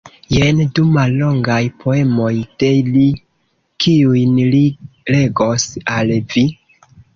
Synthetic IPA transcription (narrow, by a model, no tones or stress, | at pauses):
jendumalːo̞ŋɡajpʰoe̞mo̞jd̥e̞li | kiujnlile̞ɡosalvi